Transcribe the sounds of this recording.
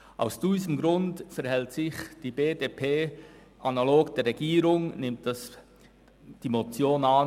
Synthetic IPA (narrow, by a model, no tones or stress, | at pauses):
ʔa̰ʊsd̥iːzəm̩ɡɾʊndfɛɾhɛltsɪçd̥iːbeːdepʰeː | ʔanaloːɡd̥ɛːɾʁɛɡ̥iːɾʊŋnɪmtɑs | d̥imot͡sjoːnɑn